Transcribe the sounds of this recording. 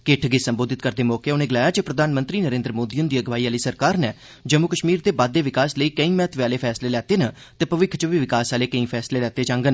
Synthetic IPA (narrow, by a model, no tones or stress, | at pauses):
kɪʈʰɡeːsəmboːd̪ɪt̪̚kəɾd̪eːmɔːkeʊnẽːɡɪlaːjaːt͡ʃepɾəd̪ʱaːnmə̃nt̪ɾiːnəɾẽːnd̪ɾmoːd̪iːʊnd̪iːəɡʋaːiːaːliːsəɾkaːɾnɛː | d͡ʒəmːukəʃmiːɾd̪eːbaːd̪ːeːʋɪkaːsləiːkəĩːmɛːt̪ʋeaːleːpʰɛːsleːlɛːt̪eːnəː | t̪eːpəʋɪkʰt͡ʃəʋiːʋɪkaːsaːleːkəĩːpʰɛːsleːlɛːt̪eːd͡ʒãːŋɡən